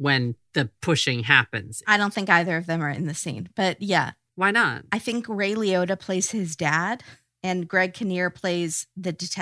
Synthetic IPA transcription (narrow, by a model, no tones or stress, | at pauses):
wɨ̃nðɨpʰʊʃɪ̃ŋɦæpɨ̰̃nz̥aɪɾõʊ̃nθɪ̃ŋkaɪðə˞ʌvðɨ̃mə˞ɨ̰̃nðɨsḭ̃nb̥ʌt̚jæ̰ | waɪnə̰t̚aɪθɪ̃ŋkɹeɪlˠioʊɾɨpʰl̥eɪz̥hɪzdæd | ɨ̃nɡɹɛɡ̚kʰɨnɪɹpʰl̥eɪzðɨdɨtʰɛ